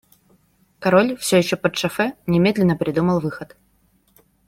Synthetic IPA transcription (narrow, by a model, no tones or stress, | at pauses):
kɐɾolʲfsʲɵjɪɕːopət̪ʂɐfɛnʲɪmʲe̞d̪lʲɪnːəpɾʲɪd̪uməlˠvɨxət̪